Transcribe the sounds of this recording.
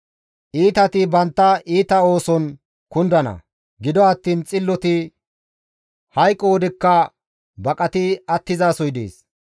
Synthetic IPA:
ʔiːt̪ɐt̪ɪbɐnt̪ːɐʔiːt̪ɐo̞ːsɔn | kʊnd̪ɐnɐ̰ | ɡɪd̪ɔɐt̪ːiːnt͡sʼɪlːɔt̪ɪ | hɐjkʼːoːd̪ɪkːɐ | bɐkʼɐt̪ɪɐt̪ːɪzaːsɔjd̪ḛːs

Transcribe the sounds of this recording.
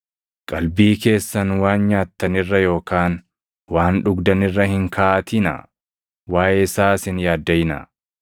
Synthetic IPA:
kʼɐlbiːke̞ːsːɐnwaːnɲaːt̪ːɐnɪrːɐjo̞ːkaːn | waːnᶑʊɡd̪ɐnɪrːɐhɪŋkʰaːat̪ɪnɐ̰ | waːjesaːsɪnjaːd̪ːɐjɪnɐ̰

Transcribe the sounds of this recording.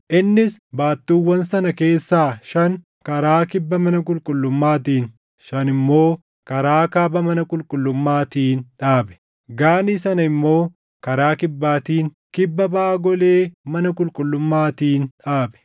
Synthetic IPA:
ʔɪnːɪsbaːt̪ːuːwːɐnsɐnɐke̞ːsːaːʃɐŋ | kɐɾaːkɪbːɐmɐnɐkʼʊlkʼʊlːʊmːaːt̪iːn | ʃɐnɪmːo̞ː | kɐɾaːkaːbɐmɐnɐkʼʊlkʼʊlːʊmːaːt̪iːnᶑaːbɛ̥ | ɡaːniːsɐnɐɪmːo̞ː | kɐɾaːkɪbːaːt̪iːŋ | kɪbːɐbaːɡɔleːmɐnɐkʼʊlkʼʊlːʊmːaːt̪iːnᶑaːbɛ̥

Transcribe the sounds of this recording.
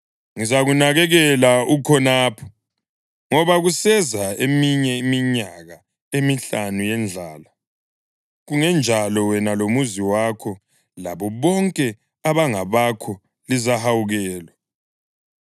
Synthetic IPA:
ŋizaɣunaɣɛɣɛlaukʰɔnaːpʰɔ̥ | ŋɔβaɣusɛzaemiɲɛimiɲaɣa | emiɬanujɛnd͡ɮʱaːla | ɣuŋɛnd͡ʒʱalɔwɛnalomuziwakʰɔ | la̰βɔβɔŋkʼɛ | aβaŋaβakʰɔ | lizahawuɣɛːla

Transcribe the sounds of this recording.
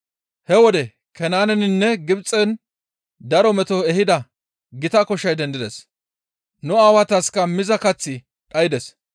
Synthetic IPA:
hɛwɔd̪ɛ | kɛnaːnɛnɪnːɛɡɪbt͡sʼːɛn | d̪ɐɾɔmɛt̪ɔɛhɪd̪ɐ | ɡɪt̪ɐkɔʃːɐjd̪ɛnd̪ɪd̪ɛs | nʊaːwɐt̪ɐskɐmɪzɐkɐt͡sːɪ | ᶑɐjɪd̪ɛs

